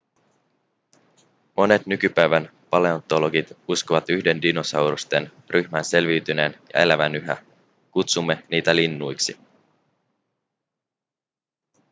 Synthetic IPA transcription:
mo̞ne̞t̪nykypæjʋæn | pɑle̞ont̪o̞lo̞ɡit̪uskoʋɑt̪yçde̞ndino̞sɑwɾust̪e̞n | ryçmænse̞lʋiɥt̪yne̞ːnjɑ̰e̞læʋænyɦæ̰ | kut̪sumːe̞niːt̪ælinːujksi

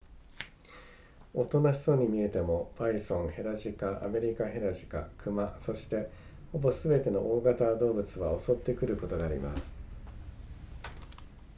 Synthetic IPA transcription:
o̞t̪o̞naçi̥so̞ɲ̟imʲie̞t̪e̞mo̞b̥aisõ̞ɰhe̞ɾaʑikaʔa̰me̞ɾʲikaɦe̞ɾaʑi̥ka̰kʰɯ̟maso̞ɕi̥t̪e̞ | ho̞bo̞sɨbe̞t̪e̞no̞̰ʔoːɡat̪ad̪o̞ːbɯ̟t͡sɨβao̞so̞t̪ːe̞kɯ̟ɾɯ̟ko̞t̪o̞ɡaːɾʲḭma̰sɨ̥

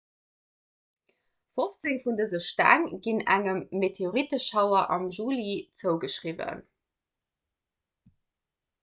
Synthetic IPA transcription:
foft͡seŋfundəzəʃtæ̰ŋɡ̥inæŋəmːetʰeoʁitəʃɑʊɐʔɑmʒuːlit͡səʊɡəʃʁivə̰n

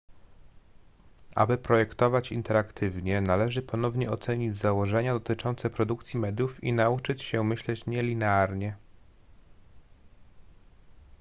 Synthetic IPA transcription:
ʔa̰bɘpɾɔjɛkt̪ɔvat͡ɕḭnt̪ɛɾakt̪ʰɘvɲɛnalɛʐɘpɔn̪ɔvɲɛɔt̪sɛɲid͡ʑzawɔʐɛɲad̪ɔt̪ɘt͡ʂɔnt̪sɛpɾɔd̪uk̚t̪sʲjimɛd̪ʲjufḭnaut͡ʂɘt͡ɕɕɛmɘɕlɛt͡ɕɲɛlʲinɛaɾɲɛ

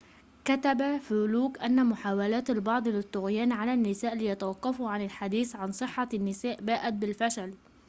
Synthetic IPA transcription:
kat̪abafuːluːkʔanːamʊħaːwalaːt̪albɑʕd̪ˤlɪt̪ːʊɣjaːnʕalanːɪsaːʔlɪjat̪awɑqːɑfʊʕanɪlħad̪iːθʕansˤɨħːanːɪsaːʔbaːʔat̪̚bɪlfaʃal

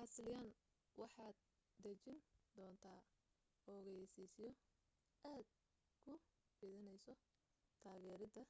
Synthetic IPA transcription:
ħɑsljan | wɑħɑːd̪̚ː | ɐt͡ʃɪnd̪ɔːnt̪ʰaː | ɔːɣɐjsiːsɪjɔ | ʔaːd̪̚ | kʰʊ | fɪðɪnɛjsɔ | t̪ʰaːɣɛːɾɪd̪ɐ

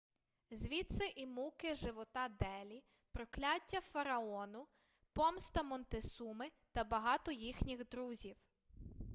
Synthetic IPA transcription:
zʲʋʲit̪sɛʔimukɪʒɪʋɔt̪ɑd̪ɛlʲi | pɾɔklʲatʲːɐfɐɾɐɔnʊ | pɔmst̪ɐmɔnt̪ɪsumɪt̪ɐbɐɦɑt̪ɔjixnʲiɣd̪ɾuzʲiw

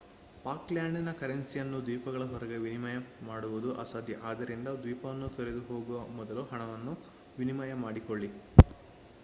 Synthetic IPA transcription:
paːkljaːɳɖinɐkɐɾensijɐnːud̪ʋiːpɐɡɐɭɐɦɔɾɐɡe̞ʋinimɐjɐmaːɽuʋud̪uʔɐ̰saːd̪ʱjɐʔaːd̪ɐɾind̪ɐd̪ʋiːpɐʋɐnːut̪eɾe̞d̪uɦoːɡuʋɐmɔd̪ɐluɦɐɳɐʋɐnːu | ʋinimɐjɐmaːɽikoɭːi

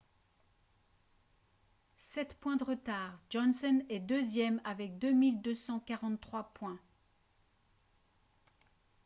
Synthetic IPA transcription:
sɛt̪pwɛ̃d̪əʁət̪aːʁd͡ʒɔnsɔnɛd̪øzjɛmavɛk̚d̪ømild̪øsɑ̃kaʁɑ̃t̪t̪ːχwapwɛ̃

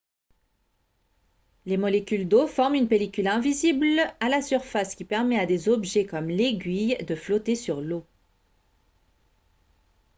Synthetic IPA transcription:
lemɔlekʲyld̪ofɔʁmynpelikʲylɛ̃viziblalasyʁfaskʲipɛʁmɛad̪ezɔbʒɛkɔmleɡʲɥijd̪əflɔt̪esyʁlo

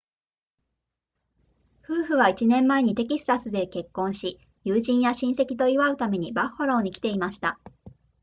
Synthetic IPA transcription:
ɸɯ̟ːɸɯ̟βait͡ɕinẽ̞mːae̞ɲ̟it̪e̞kʲisɨ̥t̪asɨd̪e̞ke̞kːõ̞ɰ̃ɕi | jɯːʑĩɰ̃jaɕĩɰ̃se̞kʲi̥t̪o̞iβaɯ̟t̪ame̞ɲ̟ibahhoɾaoɲ̟ikʲi̥t̪e̞imaɕi̥t̪a

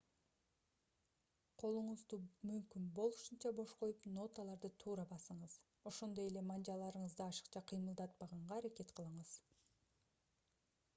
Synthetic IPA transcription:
qʰo̞lˠuɴuzd̪umymkynbo̞lˠuʃɯnt͡ʃɑbo̞ʃqo̞jupno̞t̪alˠɑɾd̪ɯt̪ʰuːɾɑbɑsɯɴɯz̥ | o̞ʃo̞nd̪o̞je̞le̞mɑnd͡ʒɑlˠɑɾɯɴəzd̪ɯɑʃɯ̥qt͡ʃɑqʰɯjmɯlˠd̪ɑt̪̚pɑʁɑɴʁɑːɾake̞t̪qʰəlˠɯɴɯz̥

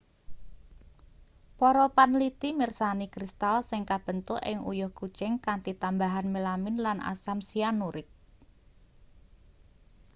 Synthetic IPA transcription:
pɔɾɔpanlit̪imirsanikɾist̪alsɪŋkab̥ənt̪uʔɪ̰ŋṵjʊhku̥t͡ʃɛŋkant̪it̪ambaɦanmelamɪnlanʔa̰samsianːuɾɪt̪̚

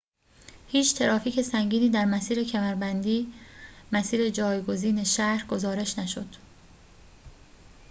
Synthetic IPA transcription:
hiːt͡ʃʰt̪ʰe̞ɾɒːfiːce̞sæŋɟiːniːd̪æɾmæsiːɾe̞cʰæmæɾbænd̪iːmæsiːɾe̞d͡ʒɒːjɡo̞ziːne̞ʃæhɾɡo̞zɒːɾe̞ʃnæʃod̪̥

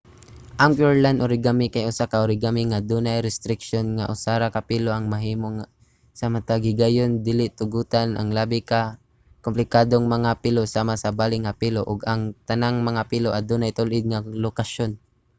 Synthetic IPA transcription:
ʔaŋpɛɹlanʔʊɾɪɡamɪkajʔʊsakaʔʊɾɪɡamiŋad̪uːnajɾɛst̪ɾɪkʃonŋaʔʊsaːɾakapiːloʔɐŋmɐɦiːmoŋ | samat̪aɡɪɡajond̪ilɪʔt̪ʊɡuːt̪anʔa̰ŋlaːbɪka | kʊmplɪkaːd̪oŋmɐŋapɪlosaːmasɐbaːlɪŋapiːloʔʊɡaŋt̪ɐnaŋmɐŋapiːloʔad̪uːnajt̪ʊlʔɪd̪̚ŋalokaʃon

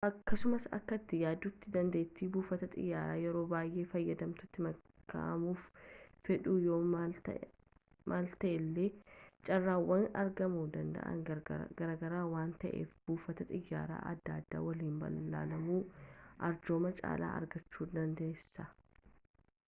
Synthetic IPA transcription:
ʔɐkːɐsʊmɐsɐ̰kːɐt̪ːɪjaːd̪ut̪ːɪd̪ɐnd̪eːt̪ːiːbuːfɐt̪ɐt̪ʼɪ̰jːaːɾaːjɛɾo̞ːbaːjʔe̞ːfɐjːɐd̪ɐmt̪ʊt̪ːɪmɐ | kːa̰ʔɐmuːffɛᶑuːjo̞ː | mʔaːlt̪ɐʔɛlːeːt͡ʃʼɐrːaːwɐnɐ̰ɾɡɐmuːd̪ɐnd̪ɐ̰ʔɐ̰ŋɡ̥ɐɾaːɡɐɾaːwaːnt̪ɐʔḛːfb̥uːfɐt̪ɐt̪ʼɪjːa̰ːɾa̰ːʔɐ̰d̪ːaːd̪ːa̰ːwɐliːmbɐ̰lːa̰ːlɐmuːʔɐɾd͡ʒo̞ːmɐt͡ʃʼa̰ːla̰ːʔɐ̰ɾɡɐt͡ʃːuːd̪ɐnd̪eːsːɐ

